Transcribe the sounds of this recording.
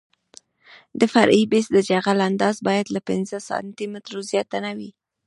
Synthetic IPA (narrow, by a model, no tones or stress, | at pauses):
d̪əfaɾʔibɪsd̪əd͡ʒaɣaland̪ɑzbɑjad̪lapɪnzəsɑ̰nt̪imɪt̪ɾozjɑt̪anawi